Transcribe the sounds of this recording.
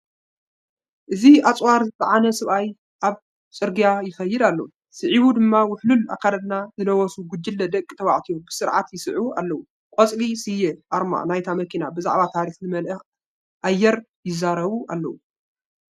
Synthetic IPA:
ʔɨziat͡sʼwaɾzɨt̪ʼaʕanɐsɐβʔaj | ʔaβ | t͡sʼɨɾɡijajɪxɐjːɪd̪alːɐ̰wu | sɨʕiβud̪ɨmːawʊħlula̰kʰːalɐd̪nazɨnɐwɔsuɡʊd͡ʒːɪlːɐd̪ɐkʼt̪ʰɐwa̰ʕt̪ʰijobɨsɨɾʕat̪jɪsɨʕua̰lːɐwu | kʼɔt͡sʼlisɨjɛʔaɾma̰najt̪ʰamɐkʰinabɨza̰ʕβat̪ʰaɾixnɨmɐlʔɐ | ʔajːɛɾ | jɪzːaɾɐβua̰lːɐwu

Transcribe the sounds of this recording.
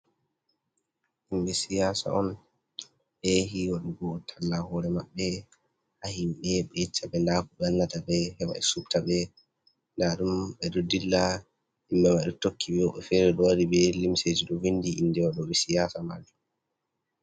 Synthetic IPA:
himɓɛsijaːsa̰ʔɔn | ʔeɦiwaɗuɡɔtʰalːahɔɾɛmaɓːɛ | hahimɓɛɓɛt͡ʃːaɓɛndaːkuɓɛanːatabɛhɛwa̰ɗɛsuktaɓɛ | ndaɗumɓɛɗɔdilːa | himɓɛmaɗɔtokʰːibɛwɔɓɛfɛɾɛɗɔwaɾibɛlimsed͡ʒiɗɔvindiinːdɛwaɗɔɓɛsijasamald͡ʒu

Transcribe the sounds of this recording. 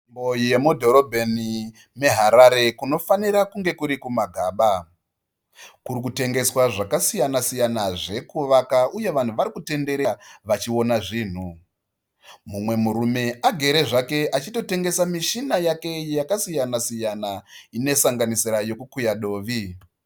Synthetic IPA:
mbojije̞mudʱo̞ɾo̞bʱeni | me̞ɦaɾaɾe̞kuno̞faniɾakuŋɡe̞kuɾikumaɡʱaːɓa | kuɾikute̞ŋɡe̞swaʐakasijanasijanaʐe̞kuʋakauje̞ʋan̤uʋaɾikute̞nde̞ɾeʋat͡ʃio̞naʐiːn̤u | mumwe̞muɾume̞ʔaɡʱe̞ɾe̞ʐake̞ʔat͡ʃito̞te̞ŋɡe̞samiʃinajake̞jakasijanasijanaine̞saŋɡanisiɾajo̞kukujaɗo̞ːʋi

